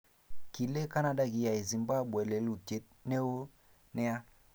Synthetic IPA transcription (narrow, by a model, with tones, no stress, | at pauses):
ki˨le˦ka˦na˨ɗa˦ki˨ja˨e˨zi˨mba˦ɓwe˨le˨lu˨te˨˦t̚ne˦o˦ | nɛ˦a˦